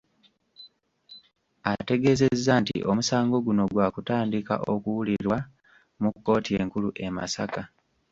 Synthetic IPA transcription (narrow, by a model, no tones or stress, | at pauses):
ate̞ɡe̞ze̞zːantḭʔo̞musaːŋɡo̞ɡuno̞ɡwaːkutaːndika̰ʔo̞̰kuwuliɾwa | mukːo̞ːtie̞ːŋkuluʔe̞ma̰sa̰ka